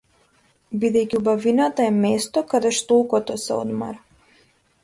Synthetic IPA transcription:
bid̪ɛjciubavinat̪aɛmɛst̪ɔkad̪ɛʃt̪olˠkɔt̪ɔsɛ̰ɔ̰d̪ma̰ɾa

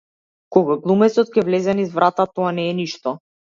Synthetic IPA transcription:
kɔɡaɡlˠumɛsɔt̪̚cʲɛvlɛzɛnizvɾʔat̪at̪ɔanɛːniʃt̪ɔ

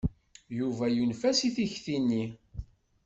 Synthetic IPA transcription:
juvæjunfæsiθiçθinːi

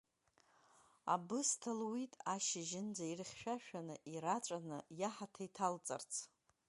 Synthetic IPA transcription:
a̰bɨstʰalwitʼaʃɪʒɪnd͡zairχʲʃᶣaʃᶣanɨʔiɾat͡ʃʷʼanɨjaħatʰajtʰalt͡sʼa̰rt͡sʰ

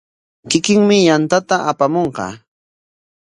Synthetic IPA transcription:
kɪkɪŋmɪjant̪at̪aʔapamoɴqɑ̰ː

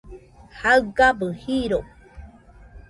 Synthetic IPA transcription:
haɨɡabɨhiɾo

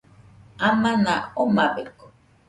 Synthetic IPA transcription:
amãnaomabeko̥

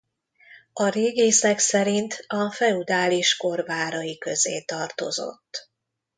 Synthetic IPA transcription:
ɒɾeːɡeːsɛksɛɾint̪ʰɒfɛud̪aːliʃko̞rvaːɾɒjikøzḛːt̪ɒrt̪o̞̰zo̞̰t̪ː

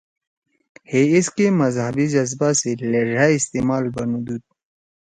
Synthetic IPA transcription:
heɪskemɐzɦɐbid͡ʒɐzbaseleɾaɪst̪eːmaːlbɐnud̪uːd̪̚

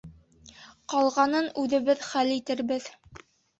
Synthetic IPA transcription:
qɒlˠʁɑnɤnʉðɘ̆βɘðχælit̪ɘ̆ɾbɘð

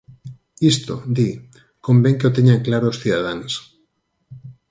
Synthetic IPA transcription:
ist̪od̪i | kõmbẽŋkeot̪eɲaŋklaɾoːsθiðaðaŋs

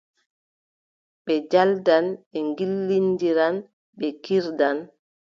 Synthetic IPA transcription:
ɓɛd͡ʒaldanɛŋɡilːindiɾan | ɓɛkiɾdan

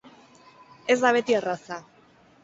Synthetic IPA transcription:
e̞zd̪aβe̞t̪ierasa

